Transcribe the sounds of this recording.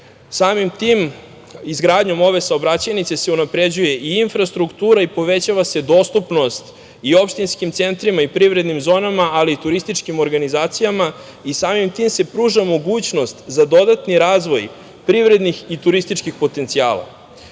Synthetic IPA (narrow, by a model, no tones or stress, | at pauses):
saːmimt̪im | izɡɾaːd̪ɲo̞mo̞ʋe̞saobɾat͡ɕajnit̪se̞se̞unapɾe̞d͡ʑuje̞ʔiinfɾast̪ɾukt̪uːɾaipo̞ʋe̞t͡ɕaʋase̞d̪o̞st̪upno̞st̪ | io̞pʃt̪inskimt̪se̞nt̪ɾimaipɾiʋɾe̞d̪nimzo̞ːnamaʔaliːt̪uɾist̪it͡ʃkimo̞ɾɡanizaːt̪sijama | isaːmimt̪iːmse̞pɾuːʒamo̞ɡuːt͡ɕno̞st̪zad̪o̞d̪at̪niɾaːzʋo̞j | pɾivɾe̞d̪nixit̪uɾist̪it͡ʃkixpo̞t̪e̞nt̪sia̰ːlˠa̰